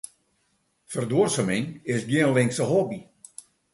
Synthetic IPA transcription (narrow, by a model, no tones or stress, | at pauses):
fərdursəmɪŋɪsɡjiənlɪŋksəɦɔbi